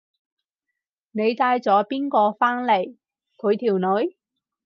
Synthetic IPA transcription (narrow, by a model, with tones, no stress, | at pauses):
ne˨˧jt̪aː˧jt͡sɔː˨˥piː˥nkɔː˧faː˥nle˨˩j | kʰɵ˨˧ɥt̪ʰiː˨˩wnɵ˨˧˥ɥ